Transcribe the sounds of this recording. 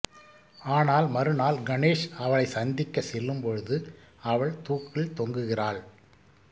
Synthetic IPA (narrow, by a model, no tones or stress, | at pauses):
aːnaːlmɐɾɯnaːlɡɐneːʂɐʋɐɭɐɪsɐnd̪ɪkːɐsɛlːɯmpɔɻɯðɯ | ɐʋɐɭt̪uːkːɪɭt̪ɔŋɡɯɣɪraːɭ